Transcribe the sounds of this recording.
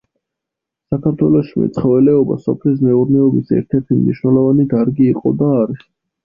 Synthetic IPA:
sakʰaɾt̪ʰwɛlˠɔʃimɛ̰t̪sʰχɔvɛlɛɔba̰sɔpʰlis̬mɛuɾnɛɔbisɛ̰ɾt̪ʰɛɾt̪ʰimniʃwnɛlˠɔvanid̪aɾɡiːqʼɔ̰d̪aːɾi

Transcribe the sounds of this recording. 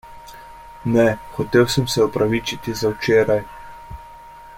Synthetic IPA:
nɛxɔt̪eːwsəmsɛɔpɾaʋit͡ʃit̪izawt͡ʃeːɾaj

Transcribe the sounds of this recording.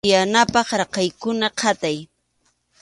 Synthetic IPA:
janapɑχɾɑqɑjkʊnaqʰɑt̪aj

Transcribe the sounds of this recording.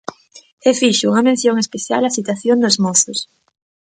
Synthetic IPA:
efiʃuŋɐmẽn̟θjoŋespeθja̰lasit̪waθjond̪ozmoθos

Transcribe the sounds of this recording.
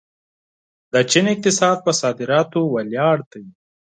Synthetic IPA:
d̪ət͡ʃinɪk̚t̪ɪsɑːd̪̚pəsɑːd̪ɪɾɑːt̪owɐljɑːɽt̪aji

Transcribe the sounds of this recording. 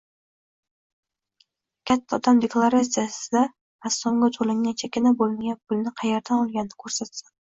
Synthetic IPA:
kʲʰat̪ʰːaɒd̪amd̪eklˠaɾasijasɪd̪a | asɒmɡʲat̪ʰolˠɪŋːant͡ʃʰakʲɪnabolˠmajapʰʊlˠnɪqʰɑjeɾd̪anɒlˠɡʲanɪnɪ̥kʰɵɾsat̪sḁ

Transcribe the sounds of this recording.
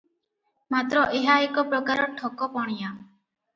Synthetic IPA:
mat̪ɾɔʔeɦaekɔpɾɔkaɾɔʈʰɔkɔpɔɽ̃ija

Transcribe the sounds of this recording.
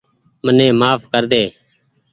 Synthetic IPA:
mənẽːmaːfkəɾd̪eː

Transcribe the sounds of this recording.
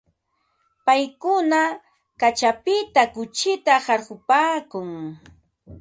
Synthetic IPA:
pajkʊna | kat͡ʃapɪt̪akʊt͡ʃɪt̪ahɑɾɢʊpaːkʊŋ

